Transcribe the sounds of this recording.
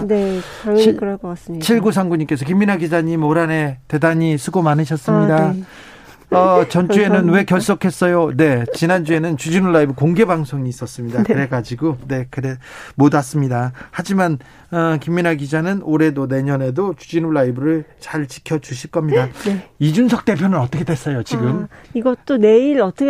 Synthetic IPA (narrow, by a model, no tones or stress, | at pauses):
ne | kɯɾʌkʌkas͈t͡ɕʰiɭɡusʰaŋɡuɲimk͈e̞sʰʌkimːinɦaɡid͡ʑaɲimoɾane̞te̞daɲisʰɯɡomanɯɕʰʌs͈ɯmɲida | ʌt͡ɕʌnt͡ɕ͈ue̞nɯnwe̞kjʌɭs͈okʰe̞s͈ʌjone̞t͡ɕinand͡ʑue̞nɯnt͡ɕud͡ʑinuɭːaibɯkoŋɡe̞baŋsʰoŋiːs͈ʌs͈ɯmɲidakɯɾe̞ɡad͡ʑiɡone̞kɯɾemodas͈ɯmɲidahad͡ʑiman | ʌkimːinaɡid͡ʑanɯnoɾe̞done̞ɲʌne̞dot͡ɕud͡ʑinuɭːaibɯɾɯɭt͡ɕaɭt͡ɕi̥kʰjʌd͡ʑuɕʰiɭk͈ʌmɲidaid͡ʑunsʰʌk̚t͈e̞pʰjonɯnʌt͈ʌkʰedwe̞s͈ʌjot͡ɕiɡɯmiɡʌt͈one̞iɾʌt͈ʌk